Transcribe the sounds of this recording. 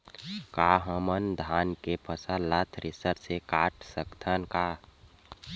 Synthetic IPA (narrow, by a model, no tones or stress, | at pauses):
kaːɦəmənd̪ʱaːnkepʰəsalat̪ʰɾɪsəɾsekaːʈʰsəkt̪ʰənkaː